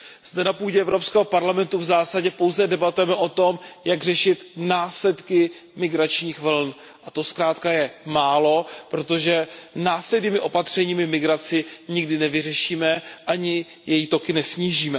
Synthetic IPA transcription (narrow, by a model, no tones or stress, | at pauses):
z̥dɛnapuːɟɛɛvɾo̞pskɛːɦo̞paɾlamɛnt̪uvzaːsaɟɛpo̞wzɛdɛbat̪ujɛmɛʔo̞t̪o̞mjaɡr̝ɛʃɪt̪naːslɛt̪kɪmɪɡɾat͡ʃɲiːxvl̩n | ʔat̪o̞skɾaːt̪kajɛmaːlo̞pɾo̞t̪o̞ʒɛnaːslɛdniːmɪʔo̞pat̪r̝̥ɛɲiːmɪmɪɡɾat͡sɪɲɪɡdɪnɛvɪr̝ɛʃiːmɛʔaɲɪ | jɛjiːt̪o̞kɪnɛsɲiːʒiːmɛ